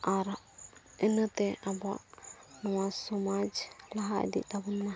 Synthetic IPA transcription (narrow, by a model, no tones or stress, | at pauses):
aɾ | ənət̪ɛʔaba̰ʔnɔwasɔmad͡ʒlaɦaʔd̪ḭʔt̪abɔnma